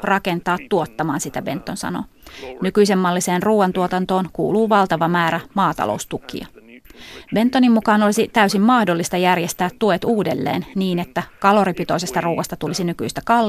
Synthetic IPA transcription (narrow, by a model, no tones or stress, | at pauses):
rɑke̞nt̪ɑːt̪ːuot̪ːɑmɑːnsit̪æbe̞nt̪ːo̞nsɑ̰no̰nykyjse̞mːɑlːiseːnruːʋɑnt̪uot̪ɑnt̪o̞ːnkṵːluːʋɑlt̪ɑʋɑmæːɾæmɑːt̪ɑ̰lo̰ust̪ukḭɑ | be̞nt̪ːonimmukɑːnolisit̪æysimmɑhdo̞lːist̪ɑjærjest̪æːt̪ːuet̪uːdelːḛːnniːne̞t̪ːækɑlo̞ɾipit̪o̞ise̞st̪ɑruːʋɑst̪ɑt̪ulisinyky̰jst̪ækɑl